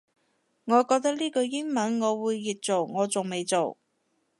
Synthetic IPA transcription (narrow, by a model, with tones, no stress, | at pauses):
ŋɔː˨˧kɔː˧k̚t̪ɐ˥k̚liː˥kɵ˧ɥjɪ˥ŋmɐ˨˥nŋɔː˨˧wuː˨˧jːiː˨t̚t͡so˨wŋɔː˨˧t͡sʊ˨˩ŋme˨˧jt͡so˨˩w